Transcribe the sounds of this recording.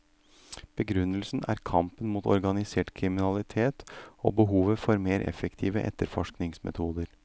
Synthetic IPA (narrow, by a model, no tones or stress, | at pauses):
b̥əɡɾʉnːəlsnæ̰ɾkʰɑmpənmuːt̪ɔ̰ɾɡɑnɪseːʈkʰɾɪmɪnɑlɪt̪ʰeːt̪o̰ːbəɦuːʋəfɔɾmeːɾʔɛ̰fəkt̪ʰiːʋəʔɛ̰t̪ːəɾfɔʂknɪŋsmɛ̰t̪ʰuːd̪əɾ